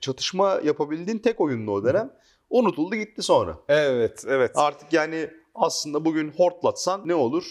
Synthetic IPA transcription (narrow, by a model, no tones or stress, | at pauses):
t͡ʃʰat̪ʰɯ̥ʃmajapʰabilʲd̪int̪ʰɛco̞jund̪uod̪e̞næm | unut̪ʰulˠd̪uɟit̪ːiso̞nɾa̰ɛvɛt̪ɛvɛt̪aɾt̪ʰɯ̥kjaːnɪ | aslˠɯnd̪abuɟynho̞ɾt̪lˠat̪sanːɛo̞lˠuɾ̥